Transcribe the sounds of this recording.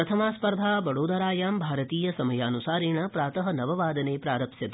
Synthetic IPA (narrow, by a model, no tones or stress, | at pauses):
ɾɐt̪ʰɐmaːspɐɾd̪ʱaːbɐɽoːd̪ɐɾaːjaːmbʱaːɾɐt̪iːjɐsɐmɐjaːnusaːɾeːɳɐpɾaːt̪ɐɦɐ̆nɐʋɐʋaːd̪ɐneːpɾaːɾɐpʃjɐt̪